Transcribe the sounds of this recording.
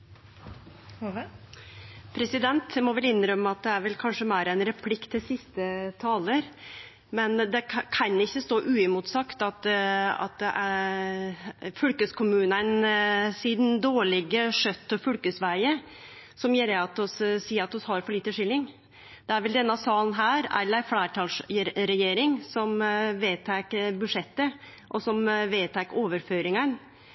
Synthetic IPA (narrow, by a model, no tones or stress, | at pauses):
pʰɾɛsɪd̪ɛnt̪mɔʋɛlɪnːɾœmːəɑt̪̚d̪ɛæɾʋɛlkʰɑnʂəmæːɾæɪnɾɛpʰlɪkt̪ʰːɪlsɪst̪ət̪ʰɑːləɾ | mɛnd̪ɛkʰɑnɪçːəst̪oːʔʉːɪmʊt̪sɑkt̪ɑt̪ɑ̰t̪̚d̪ɛʔæ | fʉlkəskʰʊmʉːnæɾɛnsiːd̪ɛnd̪oːɭɪɡəʂœt̪ːɔfʉlkəsʋæɪə | sɔmjeːɾəɑt̪ɔssiːɾɑt̪ɔshɑɾfɔɭiːt̪əʂɪlːɪŋ | d̪̥ɛæɾʋɛld̪ɛnːəɑsɑːln̩ɦæːɾɛ̰lːəɾflæːʈʰɑːlsɾɛjeːɾɪŋsɔmʋeːt̪ʰækəbʉʂɛt̪ːə | ʔɔsɔmʋeːt̪ʰækːəʔoːʋəɾføːɾɪŋən